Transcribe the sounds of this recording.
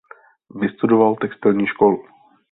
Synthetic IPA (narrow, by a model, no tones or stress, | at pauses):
vɪst̪udovalt̪ɛkst̪ɪlɲiːʃkolu